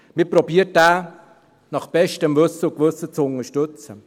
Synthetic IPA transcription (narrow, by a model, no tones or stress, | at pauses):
mɪpɾobiːət̚ːæː | nɑχb̥ɛʃtəmvɵsːəʊkvɵsət͡sʊnəʃtʏt͡sə